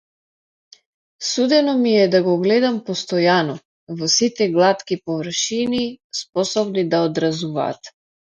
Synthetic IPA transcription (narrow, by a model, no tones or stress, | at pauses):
sud̪ɛnɔmiɛd̪aɡɔɡlɛd̪ampɔst̪ɔjanɔ | vɔsit̪ɛɡlˠat̪kipɔvr̩ʃinispɔsɔbnid̪aɔd̪ɾazuva̰ːt̪